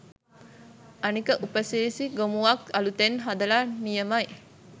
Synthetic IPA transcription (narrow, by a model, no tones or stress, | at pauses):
ɐnikəʔupəsiɾisiɡomuʋakɐlut̪enɦad̪ɐlanijəmɐj